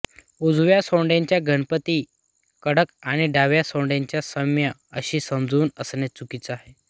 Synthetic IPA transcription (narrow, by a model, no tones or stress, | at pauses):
ud͡zʱʋjasõɳɖjãɲt͡ɕjaɡʱəɳpət̪iː | kəɽəkaɽ̃iɖaʋjasõɳɖjaɲt͡ɕjasəmjaəɕiːsəmd͡zʱuːnəsnet͡sukit͡səaɦe